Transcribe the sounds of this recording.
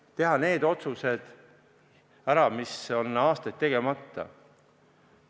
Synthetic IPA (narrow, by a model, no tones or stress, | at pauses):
t̪e̞ɦɑne̞ːd̪o̞t̪suse̞d̪̥ | æɾɑmiso̞nɑːst̪ɑt̪ːe̞ɡ̥e̞mɑt̪ˑːɑ̰